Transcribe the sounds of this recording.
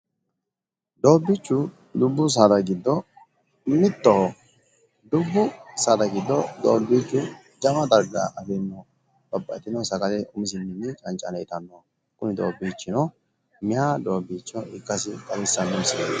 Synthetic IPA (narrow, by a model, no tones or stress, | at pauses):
d̪o̞ːbːɪt͡ʃːʊ | d̪ʊbːʊs̬ad̪ɐɡɪd̪ːɔ | mɪt̪ːɔhɔ | d̪ʊbːʊsad̪ɐɡɪd̪ːɔd̪o̰ːbːit͡ʃːʊ | d͡ʒɐmɐd̪ɐɾɡa̰ʔɐfɛnːɔ | b̥ɐbːɐt̪ɪnɔsɐkɐd̪ɛʊmɪs̬ɪnːɪnɪt͡ʃʼɐnt͡ʃʼːɐnɛjt̪ɐnːɔ | kʼʊnɪd̪oːbːiːt͡ʃːɪnɔ | mɪjad̪o̞ːbːiːt͡ʃːɔɪkʼːɐsɪkʼɐlɪsːɐnːʊmsɪnɐ